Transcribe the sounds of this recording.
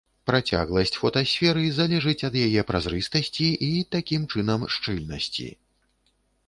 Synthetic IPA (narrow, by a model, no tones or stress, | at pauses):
pɾat͡sʲa̰ɣlˠɐsʲt͡sʲfɔt̪ɐsʲfʲɛɾɨzalʲɛʐɨt͡sʲɐd̪jajɛpɾazɾɨst̪ɐsʲt͡sʲiʔit̪akʲimt͡ʂɨnɐmʂt͡ʂɨlʲnɐ̰sʲt͡sʲḭ